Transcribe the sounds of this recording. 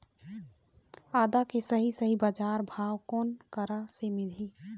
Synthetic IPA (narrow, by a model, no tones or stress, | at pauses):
aːd̪akesəɦisəɦibad͡ʒaːɾbʱaːwkoːnkəɾasemɪd̪ʱi